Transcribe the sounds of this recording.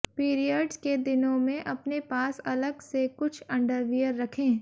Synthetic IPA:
piːɾijəɖsked̪ɪnõmẽʔɐpnepaːsɐləɡsekʊt͡ʃʰɐ̃ɳɖəɾʋijəɾːɐkʰẽː

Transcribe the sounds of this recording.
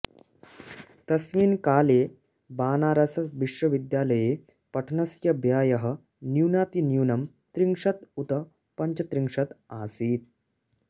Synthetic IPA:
t̪ɐsʋiːnkaːleː | baːnaːɾɐsɐʋiʂʋɐʋid̪jaːlɐjeː | pɐʈʰɳɐsjɐbjaːjɐɦə̆ | niuwnaːt̪injuwnɐm | t̪ɾiŋʂɐt̪ut̪ɐ | pɐɲt͡ʃɐt̪ɾiŋʂɐt̪aːsiːt̪̚

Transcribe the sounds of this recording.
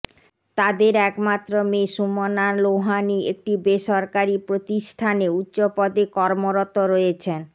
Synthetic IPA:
t̪ad̪eɾɛkmat̪ːɾomeʃumonaloɦaniek̚ʈibeʃɔɾkaɾipɾot̪iʃʈʰaneutːɕopɔd̪ekɔɾmoɾot̪oɾojet͡ɕʰen

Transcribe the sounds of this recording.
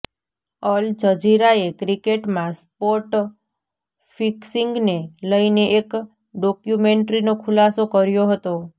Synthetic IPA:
əld͡ʒəd͡ʒiɾaekɾikeʈmãspoʈ | fʰiksiŋɡneləineʔek | ɖɔkjumeɳʈɾinokʰulasokəɾjoɦət̪o

